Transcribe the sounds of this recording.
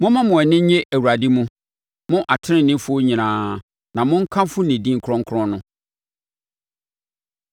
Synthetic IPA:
mʊ̃˦mã˦mʊ̃˨ɛ˨nɪ̃˦ɲ˦ɲe˦ʔæ˨wu˨ɾa˨dɪ˦mũ˦ | mʊ̃˦ʔa˨tʰɪ˦nɪ̃˨nːɪ̃˦fʊ˦o˦ɲĩ˨nãː˨˦ | nã˨mʊ̃˦ŋ̩˦kʰã˦m˦fʊ˦nɪ̃˨dĩ˦ŋ̩˨kʰɾɔ̃˦ŋ̩˦kʰʊ˦ɾɔ̃˦nʊ̃˦

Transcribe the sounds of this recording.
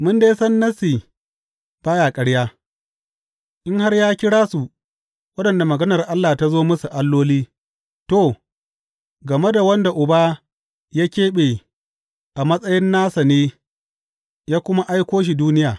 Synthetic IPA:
mʊ˦ndeː˦sɐ˦nːɐ˦si˨ | b̥aː˦jaː˨kʼɐ˦ɽjaː˦ | ʔɪ˦ŋha˦rjaː˦kʲɪ˦ɽaː˦su˨ | wɐ˦ɗɐ˨nda˨mɐ˨ɡɐ˦nɐ˨rʔa˦lːaː˨ta˦zoː˦mʊ˦su˨ʔa˦lːoː˦liː˦ | to˨ | ɡɐ˨me˦da˨wɐ˦nda˨ʔʊ˨baː˦ | ja˦kʲeː˦ɓeː˨ | ʔa˨mɐ˦sʼɐ˦jɪ˦nːaː˦sɐ˨neː˦ | jaː˦kʷʊ˦ma˦ʔa˦jkʷoː˦ʃ̬i˨duː˦nɪ˦jaː˨

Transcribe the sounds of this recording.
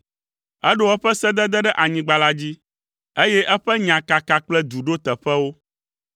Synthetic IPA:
ɛ˦ɖo˨ɛ˦ɸɛ˦sɛ˦d̪ɛ˦d̪ɛ˦ɖɛ˦ʔa˨ɲĩ˨ɡ͡ba˨la˦d͡ʑi˦ | e˦jɛ˦ʔɛ˦ɸɛ˦ɲã˨ka˨ka˨k͡plɛ˦d̪u˨ɖo˦t̪ɛ˨ɸɛ˦wo˦

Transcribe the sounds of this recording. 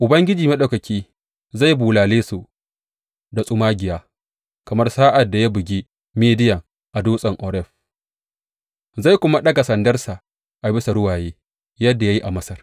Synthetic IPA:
ʔʊ˨bɐ˦ŋɡʲɪ˦d͡ʒiː˨mɐ˦ɗa˨kɐ˨kʲʰiː˦ | za˦˨jbuː˨laː˨leː˦su˨ | da˨sʼʊ˦maː˦ɡʲɪ˨jaː˦ | kɐ˨mɐ˦rsaː˦ʔa˨dːa˨ja˦bʊ˨ɡʲiː˦ | meː˦dɪ˦jɐ˨ŋ | ʔa˨duː˦sʼɐ˨ŋʔɔː˨ɾɛ˦˨ɸ | za˦˨jkʷʊ˦ma˦ɗɐ˦ɡa˨sɐ˨ndɐ˦rsa˨ | ʔa˨bɪ˦sa˨ɽʊ˦waː˨jeː˦ | jɐ˦dːa˨ja˦ji˦ʔa˨mɐ˦sɐ˦r

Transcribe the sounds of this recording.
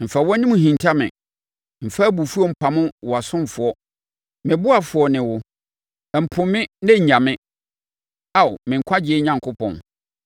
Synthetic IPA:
m̩˨fa˨wɔ̃˦nĩ˦mũ˨ɦĩ˨n˨tʰa˦mɪ̰̃˨ | m̩˨fa˦bu˨fu˦ɔ˦˨m̩˨pʰa˨mʊ̃˦wɔ˨a˨sʊ̃˦m˨fʊ˨˦ɔ˦ | mɪ̃˨bʊ˦a˨fʊ˨ɔ˦nɪ̃˨wʊ˦ | ɛ˨m̩˨pʰʊ̃˨mːɪ̃˦nɛ̃˦ɲ̩˨ɲã˨mɪ̃˦ | a˨wmɪ̃˨ŋ̩˨kʷʰa˦d͡ʑɪ˦ɛ˦ɲã˨ŋkʰʊ˦pʰɔ̰̃˨n

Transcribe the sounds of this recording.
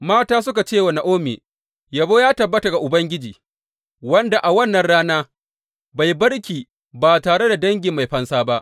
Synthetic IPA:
maː˦taː˦s̬ʊ˦ka˨t͡ʃeː˦wɐ˨na˨ʔoː˦mḛː˨ | jɐ˨boː˦jaː˦tɐ˨bːɐ˦ta˨ɡa˨ʔʊ˨bɐ˦ŋɡʲɪ˦d͡ʒiː˨ | wɐ˦nda˨ʔa˨wɐ˦nːɐ˨nɽaː˦naː˦ | ba˨jbɐ˦ɽkʲiː˨ | baː˨taː˨ɽe˦da˨dɐ˦ŋɡʲɪ˨mːa˨jɸɐ˦nsaː˦ba˦ʔ

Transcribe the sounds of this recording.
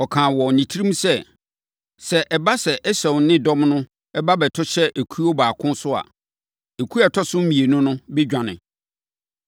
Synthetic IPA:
ɔ˨kʰãː˨wɔ˨nĩ˨tʰi˦ɾĩ˦m˦sɛ˦ | sɛ˨ʔɛ˨ba˦sɛ˨ʔɛ˦sɛ̃˨wnɪ̃˦dɔ̃˦mnʊ̃˦ | ɛ˦ba˦bɛ˨tʰʊ˦ɕɛ˦ʔæ˨kʰu˦o˦baː˨kʰʊ̃˦nsʊ˦a̰˨ | e˨kʰu˦a˨tʰɔ˦sʊ̃˦m̩˦mĩ˨e˨nʊ̃˦nʊ̃˦bɛ˦d͡ʑᶣã˨nɪ̰̃˨

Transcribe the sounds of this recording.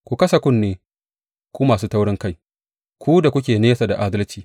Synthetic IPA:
kʷu˨kɐ˦sa˨kʷʊ˦nːeː˨ | kʷu˦maː˨suː˦ta˦wɽɪ˦ŋka˦˨j | kʷuː˦da˨kʷʊ˦kʲeː˨neː˦sa˨da˨ʔaː˦dɐ˦lt͡ʃiː˨

